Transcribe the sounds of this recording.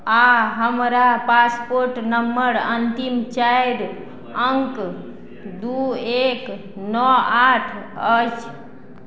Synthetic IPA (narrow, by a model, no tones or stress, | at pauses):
aɦəmɾapaspoɾʈnəmbəɾənt̪imt͡ʃajɾ | əŋk | d̪uek | nɔaʈʰət͡ʃ